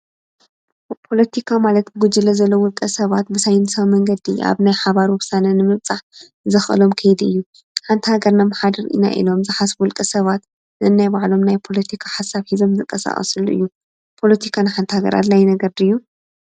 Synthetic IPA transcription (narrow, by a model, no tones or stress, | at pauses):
pʰo̞lɐt̪ʰikʰamalɐt̪ɡud͡ʒɨlɐzɐlːowʊlkʼɐsɐβat̪bɨsajnsɐβmɐŋɡɐd̪ia̰βnajħaβaɾuwʊsanɐnɨmɨβt͡sʼaħ | zɐxʔɨ̰lo̞mkʰɐjd̪ɨjːu | ħant̪ʰhaɡɐɾnamħad̪ɐɾḭna̰ʔḭlo̞mzɨħasbwʊlkʼɐsɐβat̪ | nɨɨnːajbaʕlo̞mnajpʰo̞lɐt̪ʰikʰḁħasaβhizo̞mzɨŋkʼːɐsa̰χʼɐ̰sɨluʔɨ̰jːu | pʰo̞lɐt̪ʰikʰanɨħant̪ʰihaɡɐ̰ɾa̰d̪lajnɐɡɐɾd̪ɨjːu